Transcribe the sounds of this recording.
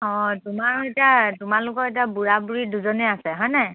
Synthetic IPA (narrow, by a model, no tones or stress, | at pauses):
ɔ̃tʊmaɹetiatʊmalʊkɔɹetiabuɹabuɹiduzɔnɛasɛɦɔjnɛ